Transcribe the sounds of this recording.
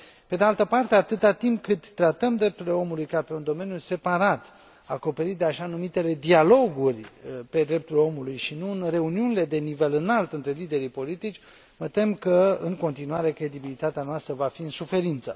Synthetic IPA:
pe̞d̪ealt̪əpart̪e̞at̪ɨt̪at̪impkɨt̪ːɾat̪əmd̪ɾe̞p̚t̪uɾile̞o̞mulujkape̞und̪o̞me̞njuse̞paɾat̪ | ako̞pe̞ɾit̪̚d̪eaʃanumit̪e̞le̞d̪ialo̞ɡurʲpe̞d̪ɾe̞p̚t̪ulo̞mulujʃinuɨnre̞uniunile̞d̪e̞nive̞lɨnalt̪ɨnt̪ɾe̞lid̪e̞ɾipo̞lit̪it͡ʃʲ | mət̪e̞mkəɨŋko̞nt̪inuaɾe̞kɾe̞d̪ibilit̪at̪eanoast̪ɾəvafiɨnsufe̞ɾint̪sə

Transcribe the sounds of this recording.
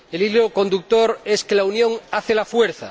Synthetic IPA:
elilokõ̞nd̪uk̚t̪oɾeskelaunjõ̞ŋaθelafweɾθa̰

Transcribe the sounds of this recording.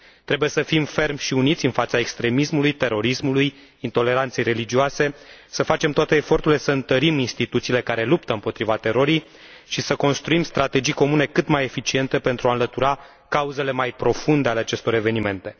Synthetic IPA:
t̪ɾe̞buje̞səfimfe̞rmʲʃiunit̪sʲɨnfat̪sae̞kst̪ɾe̞mismulujt̪e̞ɾo̞ɾismuluj | int̪o̞le̞ɾant̪se̞jɾe̞lid͡ʒiuoase̞səfat͡ʃe̞mt̪oat̪e̞ːfo̞rt̪uɾle̞səɨnt̪əɾiminst̪it̪ut̪siːle̞kaɾe̞lupt̪əɨmpo̞t̪ɾivat̪e̞ɾo̞ɾij | ʃisəko̞nst̪ɾuimst̪ɾat̪e̞d͡ʒijko̞mune̞kɨt̪maje̞fit͡ʃie̞nt̪e̞pe̞nt̪ɾuaɨnlət̪uɾa | kauze̞le̞majpɾo̞fund̪eale̞at͡ʃe̞st̪o̞ɾeve̞nime̞nt̪e̞

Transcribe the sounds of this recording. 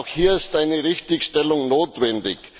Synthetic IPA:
ʊxhiːɐɪstʔaɪnəʁɪçtɪçʃtɛlʊŋnoːtvɛndɪç

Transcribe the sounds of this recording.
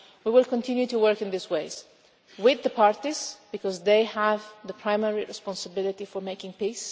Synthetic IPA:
wiwɪlˠkə̃ntʰɪ̃njʉtuwɜ˞kɨ̃nðisweɪz̥ | wɪðəpʰɑɹtizb̥ɨkɔzðeɪəvðəpʰɹãɪ̃mɛɹiɹɨspɑ̃nsəbɪlˠɪtifɔɹmeɪkɪ̃ŋpis

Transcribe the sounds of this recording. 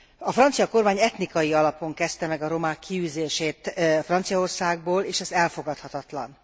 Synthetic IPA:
ɒfrɒnt̪sijɒko̞rmaːɲɛt̪nikɒjiɒlɒpo̞ŋkɛst̪ɛmɛɡɒɾo̞maːkːiyːzeːʃeːt̪frɒnt̪sijɒo̞rsaːɡ̚boːleːʃɛzɛlfo̞ɡɒt̪hɒt̪ɒt̪lɒ̰n

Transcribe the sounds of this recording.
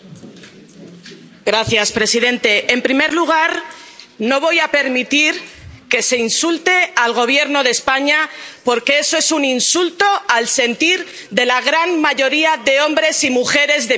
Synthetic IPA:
ɡɾaθjaspɾe̞siðe̞nt̪e̞ʔːmpɾime̞ɾluɣ̞aɾno̞β̞o̞jape̞ɾmit̪iɾke̞se̞insult̪e̞alɣo̞β̞je̞ɾno̞ðe̞spaɲapo̞ɾke̞esoe̞suninsult̪o̞alse̞nt̪iɾ | ðe̞laɣɾanmaʝo̞ɾiaðe̞o̞mbɾe̞simuxe̞ɾe̞zðe

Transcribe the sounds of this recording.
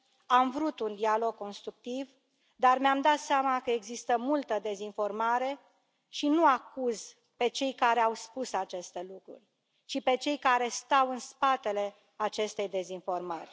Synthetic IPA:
amvɾut̪und̪ialo̞ɡ̚ko̞nst̪ɾuk̚t̪iv | d̪armeamd̪at̪seamakəe̞ɡzist̪əmult̪əd̪e̞zinfo̞rmaɾe̞ | ʃinuakuz | pe̞t͡ʃe̞jkaɾeawspusat͡ʃe̞st̪e̞lukɾṵrʲ | t͡ʃipe̞t͡ʃe̞jkaɾe̞st̪awɨnspat̪e̞le̞ | at͡ʃe̞st̪e̞jd̪e̞zinfo̞rmarʲ

